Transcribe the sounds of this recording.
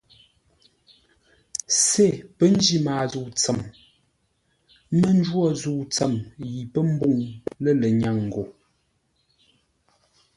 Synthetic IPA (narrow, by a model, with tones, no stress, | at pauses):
se˦˨pə˦n˦d͡ʒi˦maː˨zu˨t͡sə˨m | mə˦n˦d͡ʒwɔ˦zu˨t͡sə˨mji˨pə˦m̩˦bu˦˨ŋlə˦lə˨ɲa˨ŋŋ̩˨ɡo˨